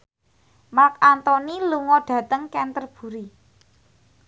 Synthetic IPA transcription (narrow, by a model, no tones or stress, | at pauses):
mak̚ant̪ɔniluŋɔɖ̥ä̤t̪əŋkɛnt̪ərb̥ṳɾi